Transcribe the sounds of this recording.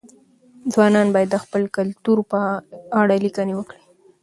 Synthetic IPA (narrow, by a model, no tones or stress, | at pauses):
d͡zwɑnɑnbɑjad̪ːəxpəlkalt̪uɾpəaɽalikanewəkɽi